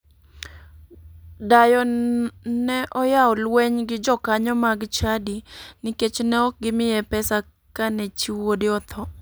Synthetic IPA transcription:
dajɔ | nɛʔɔjaɔlweɲɡɪd͡ʒɔkaɲɔmaɡt͡ʃadiniket͡ʃnɛɔk̚ɡɪmɪjɛpɛsa | kanɛt͡ʃiwodɪɔt̪ʰɔ

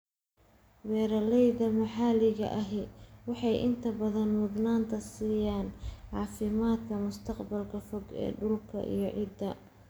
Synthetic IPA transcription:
wɛːɾɐlɛjðɐmɐħɑːlɪɣɐ̰ʔɐɦɛwɑħɑjʔɪ̰nt̪ʰɐbɐðɐnmʊd̪naːnt̪ʰɐsiːjaːnʕɑːfɪmaːd̪kʰɐmʊst̪ʰɐqbɐlkʰɐfɔɡɛ̰ːɖʊlkʰɐ̰ʔḭjɞʕɪd̪ɐ

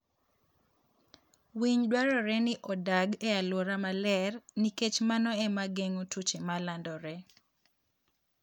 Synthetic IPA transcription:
wiɲdwaɾɔɾɛnɪʔɔdaɡɛalwɔɾamalɛrniket͡ʃmanɔɛmaɡeŋotʰut͡ʃemalandɔɾɛ

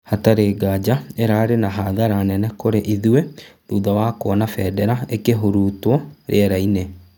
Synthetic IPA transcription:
hataɾeɡad͡ʑaeɾaɾenaɦaðaɾanɛnɛkoɾeʔiðueðuːðawakoɔnafɛdɛɾaekeɦoɾuːtwɔɾḛɛɾaine

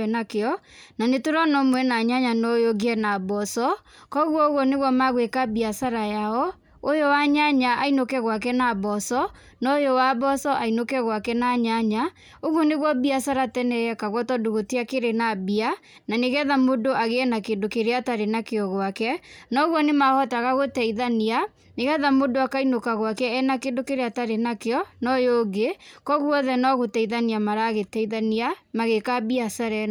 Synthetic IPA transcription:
ɛnakeɔnanetoɾɔnɔmwɛnaɲaɲanɔjoɡiɛnabɔsɔ | kɔɣwɔoɣwɔneɣwɔmaɣwekabiasaɾajaɔ | ojowaɲaɲaʔainokɛɣwak̬ɛnaβɔsɔ | nɔjowabɔsɔʔainokɛɣwakɛnaɲaɲa | oɣwɔneɣwɔbiasaɾatɛnɛjɛkaɣwɔtɔdoɣotiakeɾenabia | naneɣɛðamodoʔaɣeɛnakendokeɾeataɾenakeɔɣwakɛnɔɣwɔnemahɔtaɣaɣotɛiðania | neɣɛðamodoakainokaɣwakɛːnakeːndokeɾeataɾenakeɔnɔjoɡekɔɣwɔðɛnɔɣotɛiðaniamaɾaɣetɛiðaniamaɣekabiasaɾɛ

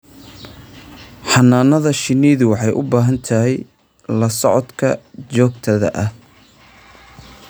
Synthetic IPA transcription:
ħɑnːaːnɐðɐʃɪniːðʊwɑħɑjʔʊbaːɦɐnt̪ʰɐɦɛj | lɐsɔʕɔd̪kʰɐt͡ʃɔːɡ̚t̪ʰɐðɐ̰ʔɐh

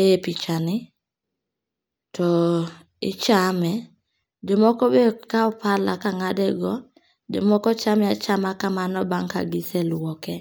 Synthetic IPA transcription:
epit͡ʃanɪ | tɔ | ɪt͡ʃamɛ | demɔkɔbekaɔpala̰kaŋadɛɡɔ | demɔkɔt͡ʃamɛat͡ʃamakamanɔbaŋka̰ɡɪsɛlwɔkɛ

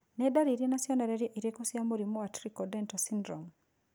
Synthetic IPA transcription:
nedaɾiɾienasjɔnaɾeɾjeʔiɾiekusjamoɾimoatɾikɔdɛntasindɾɔm

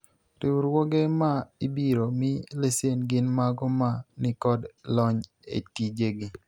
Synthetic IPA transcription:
ɾɪwuɾwoɡemaibiɾomɪlesenɡɪnmaɡɔmanɪkɔdlɔɲ | ḛtid͡ʒeɡi

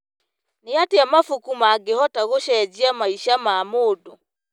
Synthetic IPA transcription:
neateamafukumaːɡehɔtaɣoʃɛd͡ʑiamaiʃamamoːdo

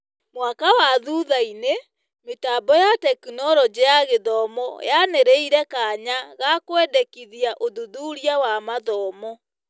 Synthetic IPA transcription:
mwakawaðuðaine | metabɔjatɛkunɔɾɔd͡ʑejaɣeðɔmɔ̰janeɾeiɾɛkaɲaɣakwɛdɛkiðiaʔoðuðuːɾiawamaðɔːmɔ

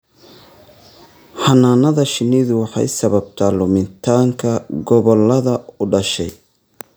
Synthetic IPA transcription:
ħɑnaːnɐðɐʃɪniːðʊwɑħɑ̰jsɐβɐb̚t̪ʰaːlʊmɪnt̪ʰaːŋkʰɐɡɔβɔlɐðɐʊɖɐʃɛj

